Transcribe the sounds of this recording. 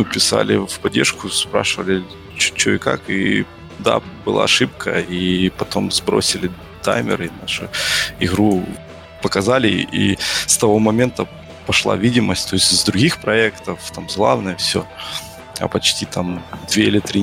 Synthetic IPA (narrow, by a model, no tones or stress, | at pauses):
ɨpʲɪsa̰lʲɪ̰fpɐdʲːerʂkʊspɾa̰ʂɨvəlʲɪ | t͡ɕu̥t͡ɕːoɪka̰ki | d̪a̰bɨlˠa̰ːɐʂɨp̚kʰəipɐt̪o̞mzbɾo̞̰sʲɪlʲɪ | t̪a̰jmʲɪ̰ɾɨnaʂɨ̰ɪɣɾu | pəkɐzalʲɪ̰ʔḭst̪ɐvo̞mɐmʲe̞nt̪ə | pɐʂlˠa̰vʲidʲɪməsʲt̚ʲt̪o̞ɪsʲtʲzd̪ɾʊɡʲixpɾɐɛkt̪əft̪amzlˠavnəjəfsʲo | ɐ̰pɐt͡ɕtʲit̪amd̪vʲeɪlʲɪt̪ɾʲi